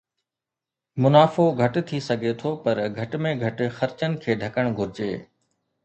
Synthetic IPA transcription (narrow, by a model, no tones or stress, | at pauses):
mʊnaːfoɡʱɐʈt̪ʰisɐɡʱet̪ʰopɐɾɡʱɐʈmẽɡʱɐʈxɐɾt͡ɕənɪ̆kʰeːɖʱɐkəɽ̃ɡʱʊɾɪd͡ʑeː